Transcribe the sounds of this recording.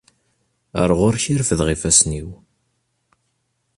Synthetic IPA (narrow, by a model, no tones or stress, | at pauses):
ə̰ɾˤʁʊɾçiɾfəðʁifæsniw